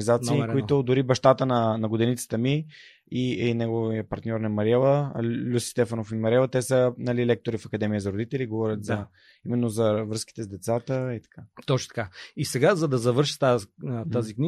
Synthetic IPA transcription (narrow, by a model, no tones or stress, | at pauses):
nizat̪siːkoit̪ʊd̪ʊɾibɐʃt̪at̪ənɐnɐɡod̪ɛnit̪sə̥t̪əmi | iɛnɛɡoviəpɐɾt̪nʲɔɾnɐmɐɾʲɛlˠəlʲusst̪ɛfənofimɐɾɛlˠət̪ɛsənɐlilɛk̚t̪oɾifɐkɐd̪ɛmijəzɐɾod̪it̪ɛliɡovɔɾʲət̪zɐ | imɛnːozɐvɾɤski̥t̪ɛzd̪ɛt̪sat̪əit̪ɐ̥kat̪ɔt͡ʃno̥t̪ɐ̥kaisɛɡazɐd̪ɐzɐvɤɾʃi̥t̪at̪azikni